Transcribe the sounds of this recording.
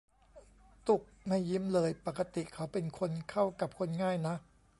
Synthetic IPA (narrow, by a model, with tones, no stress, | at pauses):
t̪u˨˩k̚ma˥˩jːi˦˥mlɤː˧jpa˨˩kːa˧t̪i˨˩kʰa˦˥wpe˧nkʰo˧nkʰa˥˩wka˨˩p̚kʰo˧nŋaː˥˩jna˦˥ʔ